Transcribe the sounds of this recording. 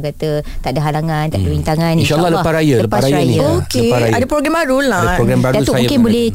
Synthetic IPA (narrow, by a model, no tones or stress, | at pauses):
kat̪ət̪aʔdəɦalaŋãnt̪aʔdəbint̪aŋaniʃalːɔhləpaɾajələpaɾaɾajniaokləepaɾajadəpɾoɡɾɛmbaɾuladaɾoɡɾɛmbaɾdausʊamakɪnbolɛ